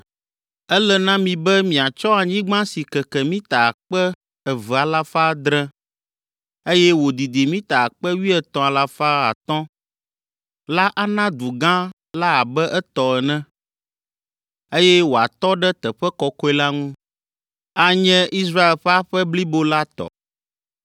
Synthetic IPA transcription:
ɛ˦lɛ˦nã˦mĩ˨bɛ˦mĩ˨a˨t͡ʃɔ˦a˨ɲĩ˦ɡ͡bã˦si˨kɛ˨kɛ˨mĩ˦t̪a˨k͡pɛ˦ | ɛ˨vɛ˨a˨la˦fa˦d̪ɾɛ̃˦ | e˦jɛ˦wo˨d̪i˨d̪i˨mĩ˦t̪a˨a˨k͡pɛ˦wi˦ɛ˨t̪ɔ̃˨a˨la˦fa˦a̰˨t̪ɔ̃˦ | la˦ʔa˦nã˦d̪u˨ɡã˦ | la˦a˨bɛ˦ʔɛ˦t̪ɔ˨ɛ˨nɛ̃˦ | e˦jɛ˦wo˨a˨t̪ɔ˦ɖɛ˦t̪ɛ˨ɸɛ˦kɔ˨kɔ˦ɛ˦la˦ŋũ˦ | a˨ɲɛ̃˦i˦s̬ɾa˦e˨lɸɛ˦a˦ɸɛ˦bli˦bo˦la˦t̪ɔ̰˨

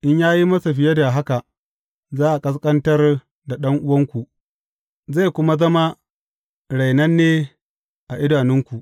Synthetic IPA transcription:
ʔɪ˦ɲjaː˦ji˦mɐ˦sa˨ɸɪ˨jɐ˦da˨ɦa˦ka˨ | zaː˦ʔa˨kʼɐ˦s̬kʼɐ˦ntɐ˦r | da˨ɗɐ˦ŋʔʊ˦wɐ˦ŋkʷu˨ʔ | za˦˨jkʷʊ˦ma˦zɐ˦ma˦ | ɽa˨jnɐ˦nːeː˦ | ʔa˨ʔɪ˦daː˨nɪ˦ŋkʷu˨ʔ

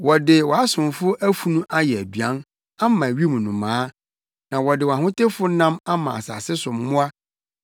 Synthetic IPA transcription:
wɔ˨dɪ˨wɔ˨a˦sʊ̃˨mfʊ˦ʔæ˦fu˨nũ˦ʔa˦jɛ˨æ˨dɥã˦n | a˦mã˨ɥi˦mũ˨nũ˨mãː˨˦ | nã˨wɔ˨dɪ˨wɔ˨ã˨hʊ̃˦te˦fʊ˦nã˦ma˦mã̰˨a̰˨sa̰ː˨sɪ˦sʊ˨m˨mʊ̃˦a˦

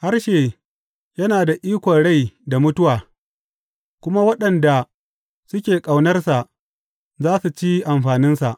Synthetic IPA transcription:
ha˦rʃeː˨ | jɐ˦naː˨da˨ʔiː˦kʷɔ˨nɽa˦˨jda˨mʊ˦tʊ˦waː˨ | kʷʊ˦ma˦wɐ˦ɗɐ˨nda˨ | sʊ˦kʲeː˨kʼa˨wnɐ˦rsa˨ʔ | zaː˦su˨t͡ʃi˦ʔa˨mɸaː˨nɪ˦nsa˨ʔ

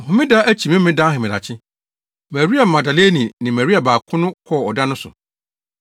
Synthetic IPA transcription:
m̩˨ɦʊ̃˨mɪ̃˦da˦ʔæ˦t͡ɕʰi˨mɪ̃˦mɪ̃˦dã˦ɦɛ̃˨mɪ̃˨a̰˨t͡ɕʰɪ˦ | mæ˨ɾi˦a˨m̩˨mã˨da˨le˦nĩ˨nɪ̃˨mæ˨ɾi˦a˨baː˨kʰʊ̃˦nʊ̃˦kʰɔ˦˨ɔ˨da˦nʊ̃˦sʊ̰˨

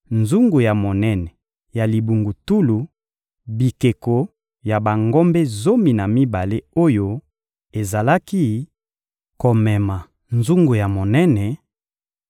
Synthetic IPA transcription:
nzu˦ŋɡu˨ja˨mo˨nɛ˦nɛ˨ | ja˨li˨bu˨ŋɡu˨tu˦lu˨ | bi˨ke˨ko˨ | ja˨ba˨ŋɡo˦mbe˦zo˦mi˨na˨mi˦ba˨le˦o˦jo˦ | e˨za˨la˦ki˦ | ko˨mɛ˨ma˨ | nzu˦ŋɡu˨ja˨mo˨nɛ˦nɛ˨

